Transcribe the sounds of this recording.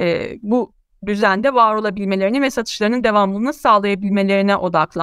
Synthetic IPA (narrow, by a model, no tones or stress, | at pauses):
ɛ̰ːbu | d̪yzænd̪ɛvaːɾo̞lˠabilʲme̞lʲe̞ɾinivɛsat̪ʰɯ̥ʃlˠaɾɯnɯnd̪e̞vamlˠɯːnɯsaːlˠajabilʲme̞lʲe̞ɾinɛʔo̞d̪aklˠa